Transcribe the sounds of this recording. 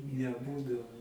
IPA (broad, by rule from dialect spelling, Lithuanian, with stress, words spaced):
nʲɛˈbuːdɐʋoː